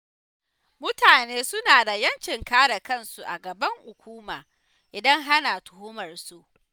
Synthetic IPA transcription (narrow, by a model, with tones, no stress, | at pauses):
mʊ˦taː˨neː˦sʊ˦naː˨da˨jɐ˦nt͡ʃɪ˨ŋkaː˦ɽa˨kɐ˦˨nsu˨ʔa̰˨ɡɐ˨bɐ˦ŋhʊ˨kʷuː˦maː˨ | ʔɪ˨dɐ˦ŋɦa˦na˨tʊ˨hʊ˦mɐ˨rsu˦˨ʔ